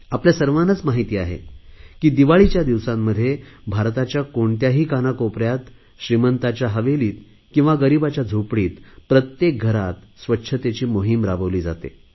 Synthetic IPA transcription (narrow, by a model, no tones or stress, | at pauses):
apljasəɾʋanət͡smaɦit̪iːaɦḛkiːd̪iʋaɭit͡ɕjad̪iʋsamːəd̪ʱːjebʱaɾt̪at͡ɕjakoɳt̪jaɦiːkanakopɾjat̪ | ɕɾimənt̪at͡ɕjaɦəʋeliːt̪̚ | kĩw̃ʋaɡəɾibat͡ɕjad͡zʱopɽiːt̪pɾət̪jek̚ɡʱəɾat̪sʋətːɕʰət̪et͡ɕiːmoɦimɾabəʋliːd͡za̰t̪ḛ